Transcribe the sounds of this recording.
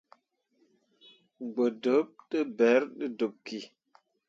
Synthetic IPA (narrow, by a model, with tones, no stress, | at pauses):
ɡ͡bə˨də˨˦p̚ɗə˦bɛ˨˦ɾɗə˦do˨p̚kːi˨